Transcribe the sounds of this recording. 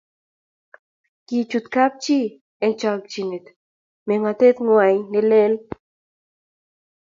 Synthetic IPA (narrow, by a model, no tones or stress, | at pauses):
kit͡ʃut̪kap̚t͡ʃi | ent͡ʃak̚t͡ʃinet̪ | meŋat̪et̪ŋwajnelel